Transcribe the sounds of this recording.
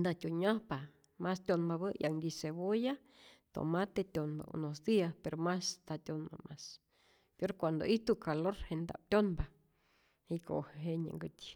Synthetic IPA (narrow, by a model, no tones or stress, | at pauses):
nd̪at̪ʲuɲahpa | mast̪ʲonbaβɨjʔa̰ŋd̪iseboja | t̪o̰mat̪et̪ʲonba̰ṵnosd̪iaspeɾomast̪at̪ʲonba̰mʔas | poɾkʷand̪o̰ʔit̪ukaloɾhend̪a̰p̚t̪ʲonba | iko̰heɦeɲə̰ŋɡɨt̪ʲ